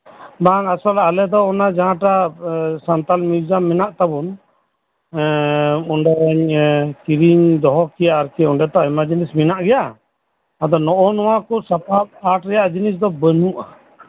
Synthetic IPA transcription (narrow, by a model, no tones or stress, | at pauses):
baŋasɔlalɛd̪ɔːnad͡ʒaɦãʈasant̪almiɾd͡ʒamːɛnaʔt̪abun | uɳɖɛɲkiɾiɲd̪ɔɦɔkijaːɾkɛɔɳɖɛt̪ɔajmad͡ʒinisminaʔɡɛjaː | d̪ɔnɔʔɔnɔwakɔsapʰap̚aʈɾɛjaʔd͡ʒinis̬d̪ɔbənuʔa